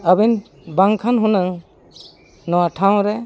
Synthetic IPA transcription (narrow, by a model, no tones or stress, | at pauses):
abin | baŋkʰanɦunaŋ | nɔwaʈʰaw̃ɾɛ